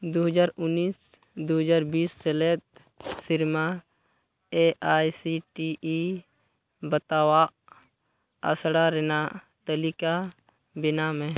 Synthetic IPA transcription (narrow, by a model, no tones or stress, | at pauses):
d̪oɦəd͡ʒaːɾʊnːiːs | d̪oɦəd͡ʒaːɾbiːsselet̪̚ | sɪɾma | eʔaːjsiʈii | bət̪aːwa | ə̰sɽaɾena | t̪əlika | bɪnamẽ